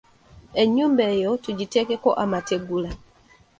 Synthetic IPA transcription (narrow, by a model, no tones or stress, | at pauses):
ɛɲumbɛjɔtud͡ʒitɛkɛkɔʔamatɛɡula